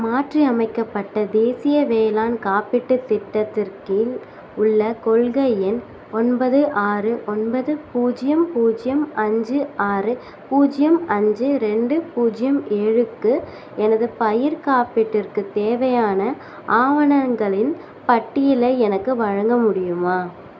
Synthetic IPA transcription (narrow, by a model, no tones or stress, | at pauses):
maːʈriɐmɐɪkːɐpːɐʈːɐd̪eːsɪjɐʋeːlaːnkaːpɪʈːɯt̪ːɪʈːɐt̪ːɪrkɪl | ʊɭːɐkɔɭɣɐjɛn | ɔnbɐðɯʔaːrɯʔɔnbɐðɯpuːd͡ʒɪjɐmpuːd͡ʒɪjɐmʔɐɲd͡ʒɯʔaːɾɯ | puːd͡ʒɪjɐmɐɲd͡ʒɯɾɛɳɖɯpuːd͡ʒɪjɐmʔeːɻɯkːɯ | ɛnɐðɯpɐjɪɾkaːpɪʈːɪrkɯt̪eːʋɐjaːnɐ | ʔaːʋɐɳɐŋɡɐɭɪn | pɐʈːɪjɪleɛnɐkːɯʋɐɻɐŋɡɐmʊɽɪjɯmaː